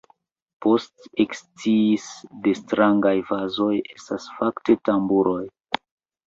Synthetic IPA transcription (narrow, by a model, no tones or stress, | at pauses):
po̞stekst͡siːsde̞stɾaŋɡajvazo̞je̞stasfakte̞tambuɾo̞j